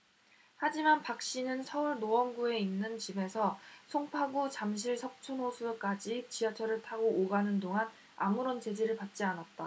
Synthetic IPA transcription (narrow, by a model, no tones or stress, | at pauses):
had͡ʑimanpak̚ɕ͈inɯnsʰʌuɭnoʌnɡue̞inːɯnt͡ɕibe̞sʰʌsʰoŋpʰaɡut͡ɕamɕ̬ʰiɭsʰʌp̚t͡ɕʰunɦosʰuk͈ad͡ʑit͡ɕijʌt͡ɕʰʌɾɯɭtʰaɡoːɡanɯndoŋan | a̰muɾont͡ɕe̞d͡ʑeɾɯɭpat̚t͡ɕ͈ianat̚t͈a